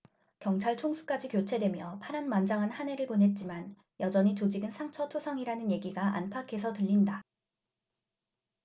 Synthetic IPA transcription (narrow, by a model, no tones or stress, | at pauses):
kjʌŋt͡ɕʰaɭt͡ɕʰoŋsʰu̥k͈ad͡ʑikjot͡ɕʰe̞dwe̞mjʌpʰaɾanmand͡ʑaŋɦanhane̞ɾɯɭponɦe̞t̚t͡ɕ͈iman | jʌd͡ʑʌɲit͡ɕod͡ʑiɡɯnsʰaŋt͡ɕʰʌtʰusʰʌŋiɾanɯnje̞ɡiɡaʔa̰npʰakʰe̞sʰʌtɯʎːinda